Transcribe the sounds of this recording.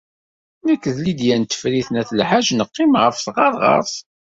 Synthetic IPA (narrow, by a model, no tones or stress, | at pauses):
nækːðlid̪jænt̪ːə̥fɾiθnæθlħaʒnəqːimʁəfθʁɑɾˤʁɑ̰ɾˤsˤ